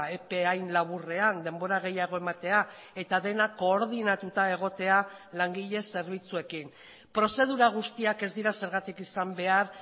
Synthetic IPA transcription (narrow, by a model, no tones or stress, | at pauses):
e̞peajnlaβ̞ure̞and̪e̞mbo̞ɾaɣ̞e̞jaɣo̞e̞mat̪e̞a | e̞t̪aðe̞nako̞ːɾðinat̪ut̪ae̞ɣ̞o̞t̪e̞alaŋɡiʎe̞se̞ɾβ̞it͡sue̞kin | pɾo̞se̞ð̞uɾaɣ̞ust̪iake̞zd̪iɾase̞ɾɣ̞at̪ikisambe̞aɾ